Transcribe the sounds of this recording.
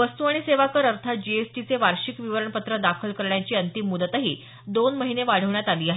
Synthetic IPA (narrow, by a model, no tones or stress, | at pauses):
ʋəst̪uaɽ̃iseʋakəɾəɾt̪ʰat̪̚d͡ʑiesʈit͡seʋaɾɕikʋiʋəɾəɳpət̪ɾəd̪akʰəlkəɾɳjat͡ɕiːənt̪imːud̪ət̪aɦiː | d̪onməɦineʋaɽ̤əʋɳjat̪aliːaɦe